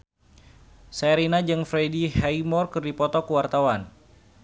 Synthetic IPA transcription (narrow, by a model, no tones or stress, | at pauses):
saɾinad͡ʒɨŋfɾedihajmɔrkɨrdipɔt̪ɔkəwart̪awan